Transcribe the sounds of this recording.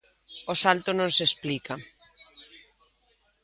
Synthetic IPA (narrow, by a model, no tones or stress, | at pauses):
osalt̪onõnsesplika